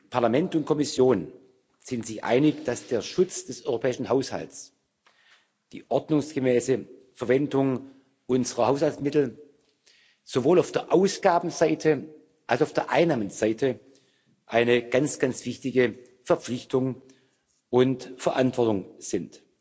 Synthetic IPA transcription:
pʰaɐlamɛntʊnt̚kʰɔmɪsjoːn | z̥ɪntz̥ɪçʔa̰ɪnɪçd̥asd̥eːɐʃʊt͡sd̥ɛsʔɔʏʁopʰɛːɪʃn̩haʊsha̰lts | d̥ḭːʔɔɐdnʊŋsɡ̥əmɛːsəfɛɐvɛndʊŋ | ʔʊnzəʁɐhaʊshaltsmɪtl̩ | z̥ovoːlaʊfd̥eːɐʔaʊsɡ̥aːbm̩zaɪtʰə | ʔalsaʊfd̥eːɐʔa̰ɪnːaːmənz̥aɪtʰə | ʔaɪnəɡ̥ant͡sɡ̥ant͡sv̥ɪçtɪɡə | fɛɐp͡flɪçtʊŋ | ʔʊntfɛɐʔantv̥ɔɐtʊŋz̥ɪnt

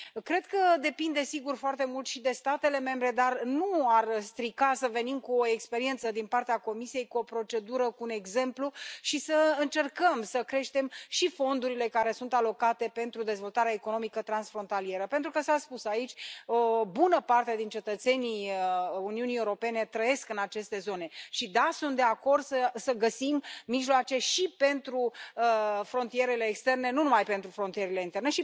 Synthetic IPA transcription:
kɾe̞d̪kəd̪e̞pind̪e̞siɡurfoart̪e̞mult̪ʃid̪e̞st̪at̪e̞le̞me̞mbɾe̞d̪arnuarst̪ɾikasəve̞nimkuoekspe̞ɾie̞nt̪səd̪inpart̪eako̞misie̞jkuo̞pɾo̞t͡ʃe̞d̪uɾəkuːne̞ɡze̞mpluʃisəɨnt͡ʃe̞rkəmsəkɾe̞ʃt̪e̞mʃifo̞nd̪uɾile̞kaɾe̞sunt̪alo̞kat̪e̞pe̞nt̪ɾud̪e̞zvo̞lt̪aɾeaeko̞no̞mikət̪ɾansfɾo̞nt̪alie̞ɾəpe̞nt̪ɾukəsaspusait͡ʃʲobunəpart̪ad̪int͡ʃe̞t̪ət̪se̞niuniunijeuɾo̞pe̞ne̞t̪ɾəje̞skɨnat͡ʃe̞st̪e̞zo̞ne̞ʃid̪asunt̪d̪e̞ako̞rd̪səsəɡəsimːiʒloat͡ʃe̞ʃipe̞nt̪ɾuəfɾo̞nt̪ije̞ɾe̞le̞ːkst̪erne̞nunumajpe̞nt̪ɾufɾo̞nt̪ije̞ɾele̞int̪e̞rne̞ʃi

